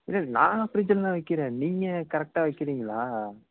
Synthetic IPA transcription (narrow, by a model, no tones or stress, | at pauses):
ɪlːɐnã̰ːɐpɪɾɪd͡ʒɐllãːʋɐɪkːɪɾẽːniːŋɡɐkɐɾɛk̚ʈaːʋɐɪkːɪɾiːŋɡɐlaː